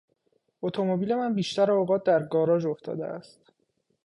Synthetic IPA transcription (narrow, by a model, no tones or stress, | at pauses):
ot̪ʰo̞mobiːle̞mænbiːʃt̪æɾeoɣɒːt̪̚d̪æɾɡɒːɾɒːd͡ʒoft̪ʰɒ̰ːd̪ḛʔæ̰st̪